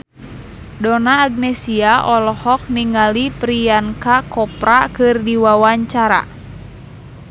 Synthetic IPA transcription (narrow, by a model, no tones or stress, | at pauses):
dɔnaːɡ̚nɛsiaʔɔlɔhɔk̚niŋalipɾiankakɔpɾakɨrdiwawaɲt͡ʃaɾa̰